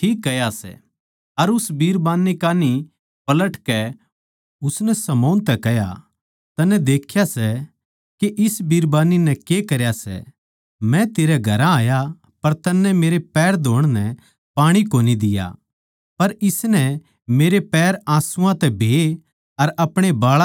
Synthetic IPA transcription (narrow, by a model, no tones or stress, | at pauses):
ʈʰiːkːɐjasɛ̰ | ɐɾʊsbiːɾbaːnːikaːni | pɐləʈkɛ | ʊsnɛsɐmoːnt̪ɛkɐja̰ | t̪ɐnɛd̪eːkʰjasɛ | keʔɪsbiːɾbaːnːinɛkekɐɾjasɛ̰ | mɛ̃t̪eːɾɛɡʱɐɾãaːja | pɐɾt̪ɐnːɛmeːɾepɛːɾd̪ʱoːɽ̃nɛ | paːɽ̃ikoːnid̪ɪja̰ | pɐɾɪsnɛ | meːɾepɛːɾãːsʊ̃ãt̪ɛbʱeː | ɐɾɐpɽ̃ebaːɭ